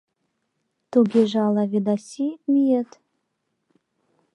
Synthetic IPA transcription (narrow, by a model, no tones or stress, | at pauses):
t̪oɡʲeʒɑlˠɑved̪asimijet̪